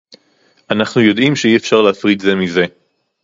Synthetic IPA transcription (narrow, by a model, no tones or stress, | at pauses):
ʔanaχnujo̞d̪imʃeiefʃaʁleafʁid̪ze̞mize̞